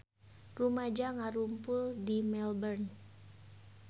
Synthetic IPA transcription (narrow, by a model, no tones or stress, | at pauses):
rumad͡ʒaŋaɾumpʊldimɛlbərn